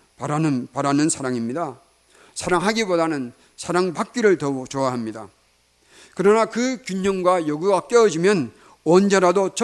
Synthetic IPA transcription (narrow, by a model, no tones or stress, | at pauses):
paɾanɯnpaɾanɯnsʰaɾaŋimɲida | sʰaɾaŋɦaɡibodanɯn | sʰaɾaŋpak̚k͈iɾɯɭtʌt͡ɕoaɦamɲida̰ | kɯɾʌnakɯkjuɲʌŋɡwajʌɡuɡak͈eʌd͡ʑimjʌn | ʌnd͡ʑeɾadot͡ɕ